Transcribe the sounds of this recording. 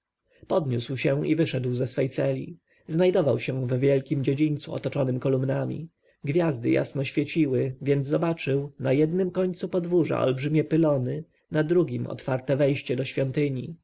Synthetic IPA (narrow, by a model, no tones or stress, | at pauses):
pɔd̪ɲuswɕɛ̃ivɘʂɛd̪wzɛsfɛjt̪sɛlʲḭ | znajd̪ɔvawɕɛvvʲjɛlkʲimd͡ʑed͡ʑiɲnt̪suɔ̰t̪ɔt͡ʂɔnɘmkɔlumnamʲḭ | ɡvʲjazd̪ɘja̰snɔɕfʲjet͡ɕiwɘvʲjɛnd̪zɔbat͡ʂɘwnajɛd̪nɘmkɔɲt̪supɔd̪vuʐa̰ʔɔ̰lbʐɘmʲɛpɘlɔnɘ | nad̪ɾuɡʲimɔ̰t̪faɾt̪ɛvɛjɕt͡ɕɛd̪ɔɕfʲjɔnt̪ɘɲḭ